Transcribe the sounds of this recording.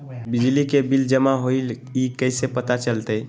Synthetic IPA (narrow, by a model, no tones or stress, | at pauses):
bid͡ʒlikebild͡ʒəmaɦoil | ikəɪsepət̪at͡ʃəlt̪əj